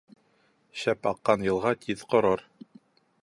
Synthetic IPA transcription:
ɕæpɑqːɑnjɤ̆lˠʁɑt̪ʰiðqŏɾɤɾ

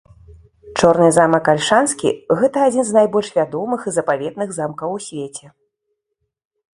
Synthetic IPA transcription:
t͡ʂɔrnɨzamɐkːalʲʂanskʲḭɣɛt̪ɐaːd͡zʲinznajbɔlʲʂvʲad̪ɔmɨxɨzɐpavʲɛd̪̚nɨɣzamkɐwsʲvʲet͡sʲɛ

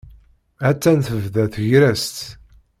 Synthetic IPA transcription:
æt͡sːænθəvðæθʝɾæst̪

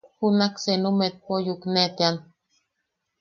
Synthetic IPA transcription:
hunaksenumet̪̚pojuknet̪ean

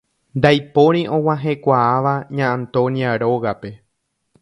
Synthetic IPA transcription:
nd̪ajpo̞ɾ̃ĩʔõ̞wãɦe̞kʷaaʋaɲãʔãnt̪õ̞niaɾo̞ɣape̞

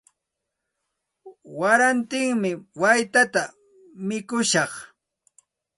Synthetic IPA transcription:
waɾant̪ɪŋmɪwajt̪at̪a | mɪkʊʃɑχ

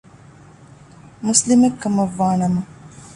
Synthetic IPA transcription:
muslimekːɐmɐʋːaːnɐmɐ

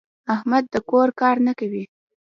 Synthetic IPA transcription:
ahmad̪̚ːəkoɾkɑɾnakawi

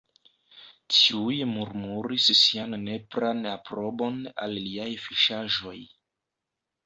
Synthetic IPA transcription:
tʰiujmuɾmuɾissianːe̞pɾanapɾo̞bo̞na̰lːiajfiʃaʒo̞j

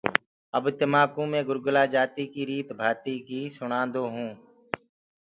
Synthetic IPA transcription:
əbt̪ɪmaːkũːmẽːɡʊɾɡəlaːd͡ʒaːt̪iːkiːɾiːt̪bʱaːt̪iːkiːsʊɳãːnd̪oːɦũː

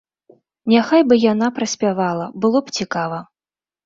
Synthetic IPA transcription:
nʲaxajbɨjanapɾɐsʲpʲavalˠɐbɨlˠɔpt͡sʲikavɐ

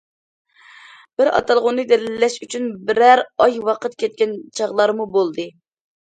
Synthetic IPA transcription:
b̥ɪɾɑ̰t̪ʰɑlˠʁʊnːɨd̪ɛlɪlːɛʃyt͡ʃʰynbɪɾæɾɑjwɑqət̪kʲɛt̪̚kʲɛnt͡ʃʰɑʁlˠɑɾmubolˠd̪ɨ

